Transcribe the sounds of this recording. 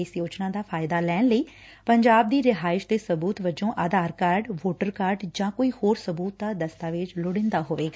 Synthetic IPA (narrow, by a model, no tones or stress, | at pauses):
esjoːt͡ʃnãːd̪aːpʰaːɪd̪aːlɛːnləiː | pəɲd͡ʒaːb̚d̪iːɾɪɦaːɪʃd̪eːsəbuːt̪ʋəd͡ʒõːʔaːd̪aːɾkaːɾɖʋoːʈəɾkaːɾɖd͡ʒãːkoːiːhoːɾsəbuːt̪̚d̪aːd̪əst̪aːʋɪt͡ʃlʊɽɪ̃nd̪aːɦoːʋeːɡaː